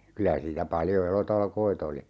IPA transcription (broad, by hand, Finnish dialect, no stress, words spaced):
kylæ siːtæ pɑljo elotɑlkoit oli